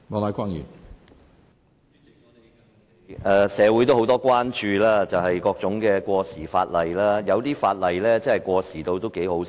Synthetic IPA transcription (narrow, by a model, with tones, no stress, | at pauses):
mɔ˨˧la˨˥jkʷaː˥njy̰˨˩n | ʔɛː˧sɛː˨˧wu˨˥jt̪o˥who˨˥wt̪ɔː˥kwaː˥nt͡ʃyː˧laː˥t͡sɐ˨wɦɐ˨jkɔː˧k̚t͡sʊ˨˥ŋkɛː˧kʷɔː˧siː˨˩fa̰ː˧t̚lɐ˨˩jlaː˥jɐ˨˧wt̪iː˥faː˧t̚lɐ˨˩jlɛː˥t͡sɐ˥hɐ˨jkʷɔː˧siː˨˩t̪o˧wt̪o˥wke˨˥jho˨˥w